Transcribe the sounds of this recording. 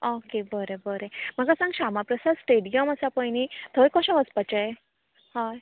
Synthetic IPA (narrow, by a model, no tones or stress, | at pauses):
okebəɾebəɾem̤əɡasãŋɡɕamapɾəsad̪sʈeɽijəməsapəjnit̪ʰəikɔɕãʋəspat͡ɕəe | haj